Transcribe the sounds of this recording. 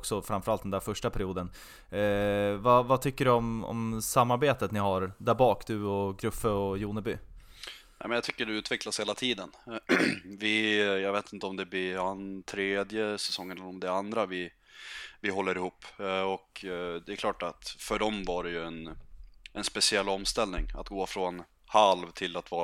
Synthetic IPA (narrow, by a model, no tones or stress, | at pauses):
ksɔfɾamfœɾalt̪d̪ɛnd̪æːɾfœʂʈapʰæɾɪjuːd̪ən | vavat̪ʰʏkːəɖɵɔmɔ̰msamːaɾbeːt̪ət̪nɪɦaɾd̪æɾbɑːkd̪ɵɔɡɾɵfːəɔjuːnəbyː | nɛ̰mɛnjat̪ʰʏkːəɖɛʉ̟ːt̪vɛklasheːlat̪ʰiːd̪ən | vɪjɑɡveːt̪ɪnt̪əɔmd̪ɛblɪant̪ʰɾeːd̪jəsɛsɔŋːənɛlɛɾɔmd̪ɛand̪ɾavɪ | vɪɦɔlːəɾɪhuːpːɔkd̪ɛɛɾkʰlɑːʈat̪fœɖɔmvaɖɛjɵɛnʔɛnspɛsɪɛlːɔmst̪ɛlnɪŋa̰t̪ɡoːfɾɔn | halvt̪ʰɪlat̪vɑːɾa